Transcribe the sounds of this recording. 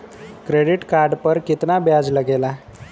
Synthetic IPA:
kɾeɽiʈkaɾɖpəɾkit̪nabjad͡zləɡela

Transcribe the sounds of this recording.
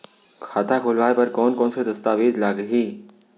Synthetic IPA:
kʰaːt̪ʰakʰʊlʋaːepɐɾkɔːnkɔ̃ːnsed̪ɐst̪aːʋeːzlaːɡɦiː

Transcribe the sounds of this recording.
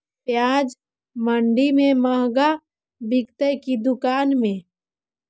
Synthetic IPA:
pjaːd͡ʒ | məɳɖimẽməɦɡa | bɪkt̪əjkid̪ʊkaːnmẽ

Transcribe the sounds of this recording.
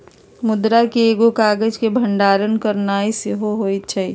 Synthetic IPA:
mʊd̪ɾakieːɡokaːɡəd͡ʒkebʱəɳɖaːɾənkəɾnaːisɪɦoɦoːit͡ʃʰəj

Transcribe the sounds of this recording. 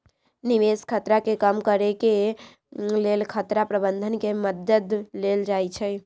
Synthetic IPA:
niʋeskʰət̪ɾakekəmkəɾeke | lelkʰət̪ɾapɾəbənd̪ʱənkeməd̪əd̪leld͡ʒajt͡ʃʰɛj

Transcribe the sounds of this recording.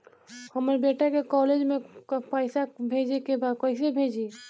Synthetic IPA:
həməɾbeʈakekɔːled͡ʒmepaɪsabʱed͡ʒekebaːd̪̚kəɪsebʱed͡ʒi

